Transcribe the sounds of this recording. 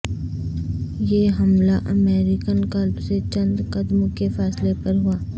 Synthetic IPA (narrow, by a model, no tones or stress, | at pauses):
jeːɦɐmlaʔɐmeːɾɪkənkɐlbset͡ʃɐ̃nd̪qɐd̪mõkefaːslepɐɾɦuaː